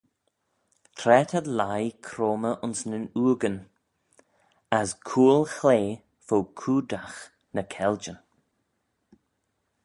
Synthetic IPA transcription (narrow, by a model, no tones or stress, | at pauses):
tʰɾɛt̪ʰad̪lajkʰɾoːməʔʊnsnənuːɡən | askʰuːlˠxleː | fokʰuːd̪ax | nəkʰɛld͡ʒən